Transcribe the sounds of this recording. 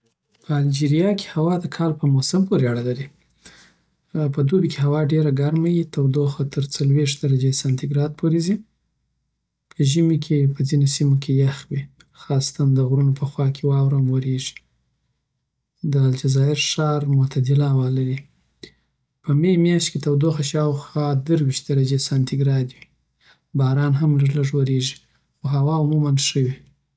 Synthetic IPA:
pʰəald͡ʒiɾijɑkʰe̥hawɑd̪əkʰɑlpəmosɪmpoɾeaɽalaɾi | pəd̪obikeɦawɑɖeɾaɡaɾmajit̪awd̪oxat̪əɾt͡salweʂd̪aɾad͡ʒesant̪ɪɡɾɑd̪̚pʰoɾezi | pʰəʒəmikʰepəzinosimokʰejaxwi | xɑst̪and̪əɣɾunopəxwɑkʰewɑwɾamwəɾeʒi̥ | d̪əːld͡ʒazɑɪɾʃɑɾmʊt̪ʰad̪ɪlawalaɾi | pəmemjɑʃt̪ket̪awd̪oxaʃɑwxwɑd̪əɾwiʃt̪̚d̪aɾad͡ʒesant̪ʰiɡɾɑd̪wi | bɑɾɑnɦamləʐləʐwoɾeʒi̥ | xoɦawɑʊmumanʂəwi

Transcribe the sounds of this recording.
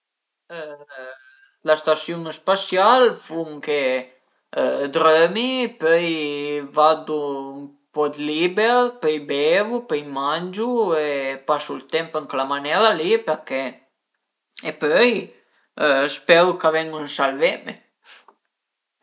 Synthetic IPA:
last̪asjunspasjalfuŋke | d̪ɾœmipœjvad̪um | pɔd̪libɛɾpœjbɛvupœjmand͡ʒuepasult̪ɛmpəŋklamanɛɾalipɛɾkɛ | epœj | spɛɾukavɛŋunsalvɛme

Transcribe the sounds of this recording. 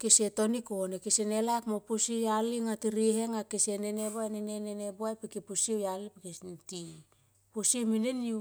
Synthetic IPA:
kesetonikonekesenelakmopusijaliŋatiɾiheŋakesenenebaeneneneneboajpikepusiewjalipikenti | pusiemineniu

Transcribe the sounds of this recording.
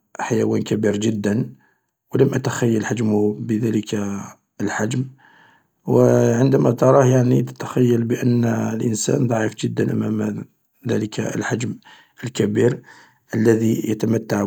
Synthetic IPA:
ħajæwænkæbiɾʒəd̪ːən | wləmʔæt̪axæjːəlħad͡ʒmʊhbəðæləka | əlħad͡ʒm | wəʕənd̪æmæt̪ɑɾˤɑhjaʕnit̪ə̥t̪axæjːəlbəʔənːlʔənsæ̰nd̪ˤɑʕifʒəd̪ːənʔæ̰mæm | ðæləkaə̰lħad͡ʒm | ʔəlkæbiɾ | ʔəlːæðijət̪æmət̪ːaʕ

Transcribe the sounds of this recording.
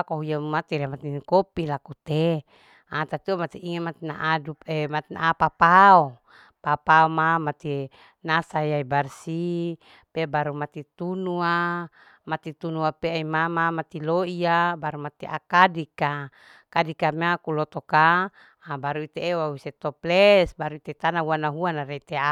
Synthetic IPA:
akoɦujamat̪iɾemat̪inkopilakut̪e | at̪at̪iamat̪iʔiŋemat̪inaʔaduemat̪inaapapao | papaomamat̪i | nasajaibarsi | pebaɾumat̪it̪unua | mat̪it̪unuapeaimamamat̪iloiabaɾumat̪iʔa̰kadika | kadikameakulɔt̪ɔkaː | baɾuit̪eːwawiset̪ɔplɛsbaɾuit̪et̪anauanaɦuanaɾeit̪ea

